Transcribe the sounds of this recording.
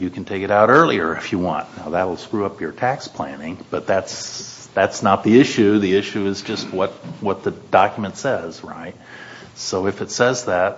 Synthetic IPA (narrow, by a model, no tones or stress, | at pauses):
jɨkʰn̩tʰeɪkɨɾaʊɾɜ˞lˠiə˞ɨfjɨwɑ̰̃ntnaʊðɨɾl̩ˠskɹʉʌpʰjə˞tʰækspʰl̥æ̰̃nɪ̃ŋb̥ʌt̪̚ðæts | ðætsnət̪̚ðiɪʃʉðiɪʃʉɨzd͡ʒʌst̚wʌt̚wʌt̪̚ðɨd̥ɑkjmɨ̃ntsɛz̥ɹa̰ɪt̚ | soʊɨfɨtsɛzðæt̚